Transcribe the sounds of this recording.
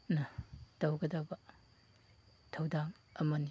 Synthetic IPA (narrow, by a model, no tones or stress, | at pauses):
nɐtɐwɡɐdɐbɐ | tʰɐwdaŋ | ɐmɐn